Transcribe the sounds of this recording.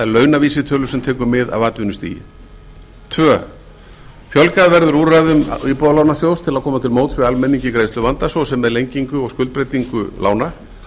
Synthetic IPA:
ɛɾlœːɥnaviːsɪt̪ʰœːlʏsɛmt̪ʰɛːkʏɾmɪða̰ðvaːt̪vʏnʏst̪ḭːj̰ | t̪ʰvœː | fjɔlkaðvɛɾðʏɾurajðʏm̰ipɔðalaːwnasjowst̪ʰɪlaðkʰɔːmat̪ʰɪlmoːwt̪svɪalmɛniɲcɪkɾeːjst̪lʏvant̪asɔsɛmːɛðlejɲciŋkʏɔɣskʏlt̪̚pɾejt̪iŋkʏ̰lʔa̰ːwna

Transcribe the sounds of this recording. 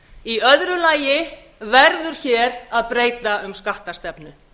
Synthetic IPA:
iœðɾʏlaːjɪ | vɛɾðʏɾ̥çɛːɾaðpɾeːjt̪aʏmskaht̪ast̪ɛpnʏ

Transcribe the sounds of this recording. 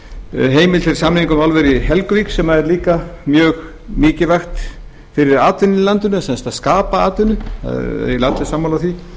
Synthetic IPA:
ɦeːjmɪlfɪɾɪ̥ɾsamniŋkʏmalvɛɾɪɦɛlkviːksɛmːaɛɾliːkamjœːɣ | mɪːcɪvajxt̪ | fɪɾɪɾaːt̪ʏnːɪlant̪ʏnʏasɛnst̪aðskaːpaaːt̪ʏnʏa̰ð̰ðjɛlat̪lɪsamːawlaθvi

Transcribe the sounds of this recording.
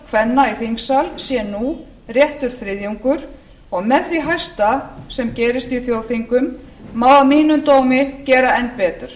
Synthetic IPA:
kʰvɛnːaiθiŋksalsjɛnu | rjɛht̪ʏɾ̥θɾɪðjuŋkʏɾ | ɔɣmɛðθviɦajst̪asɛmcɛːɾɪst̪iθjowθiŋkʏmː | awðamiːnʏmt̪oːwmɪcɛːɾaɛnpɛːt̪ʏɾ̥

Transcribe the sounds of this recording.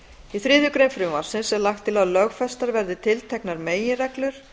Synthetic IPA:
iθɾɪːðjʏkɾejnfɾʏmaɾ̥sɪnsɛlaxt̪ʰːɪlalœɣfɛst̪aɾvɛɾðɪt̪ʰɪlt̪ʰɛknaɾmeːjɪrɛklʏɾ̥

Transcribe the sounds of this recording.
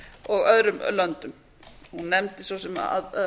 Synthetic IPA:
ɔɣœðɾʏmlœnt̪ʏm | hunːɛmt̪ɪsvosɛma̰ð

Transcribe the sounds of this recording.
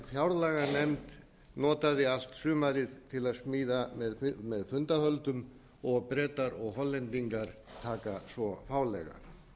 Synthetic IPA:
fjawɾlaːɣanɛmt̪ | nɔːt̪aðɪal̥t̪sʏːmaɾɪðt̪ʰɪlaðsmiːðamɛðmɛðfʏnt̪ahœlt̪ʏm | ɔɣpɾɛːt̪aɾɔɣɦɔlːɛnt̪iŋkaɾ̥t̪ʰaːkasvɔfaːwlɛ̰ɣa̰

